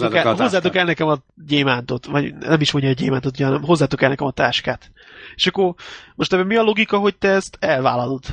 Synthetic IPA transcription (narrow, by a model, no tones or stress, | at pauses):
kɛozzːaːt̪o̞kɛlnɛkɛmɒ | ɟeːmaːnt̪o̞t̪vɒɟnɛmiʃmo̞ɲɟɒːɟḛːmaːnt̪ot̪uɟɛɦɒnɛmɦo̞zːaːt̪o̞kɛlnɛkɛmɒt̪aːʃkaːt̪ | e̥ʃɒkːormoʃt̪ɛbɛmiɒlo̞ɡikɒɦo̞c̚t̪ɛɛst̪ɛlvaːlɒlod̪